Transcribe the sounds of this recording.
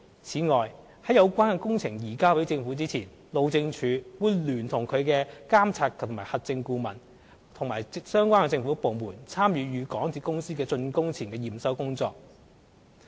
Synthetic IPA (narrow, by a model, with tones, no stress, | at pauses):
t͡sʰiː˨˥ŋɔː˨j | hɐ˨˥jɐ˨˧wkʷaː˥nkɛ˧kʊ˥ŋt͡sʰɪ˨˩ŋjiː˨˩kaː˥pe˨˥jt͡sɪ˧ŋfuː˨˥t͡siː˥t͡sʰiː˨˩n | lo˨˧wt͡sɪ˧ŋt͡ʃʰyː˨˥wuː˨˧jlyː˨˩nt̪ʰʊ˨˩ŋkʰɵ˨˧ɥkɛː˧kaː˥mt͡sʰaː˧k̚kʰŋmaː˨˩hɐ˨t̚t͡sɪ˧ŋkuː˧mɐ˨˩n | t̪ʰʊ˨˩ŋmaː˨˩sœː˥ŋkʷaː˥nkɛ˧t͡sɪ˧ŋfuː˨˥po˨˧wmuː˨˩nt͡sʰaː˥mjyː˨˧jyː˨˧kɔː˨˥ŋt̪t͡sʰi˧kʊ˥ŋsiː˥kɛː˧t͡sɵ˧nkʊ˥ŋt͡sʰiː˨˩nkɛː˧jiː˨˩msɐ˥wkʊ˥ŋt͡sɔː˧k̚